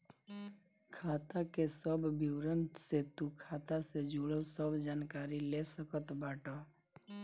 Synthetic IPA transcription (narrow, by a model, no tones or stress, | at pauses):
kʰaːt̪akesəbbiwɾənset̪ũkʰaːt̪ased͡ʒuɽəsəbd͡ʒaːnkaːɾilesəkət̪baːʈɔ